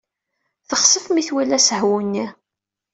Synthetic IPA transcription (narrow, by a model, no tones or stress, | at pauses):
θəχsˤəfmiθwælæsəhwunːi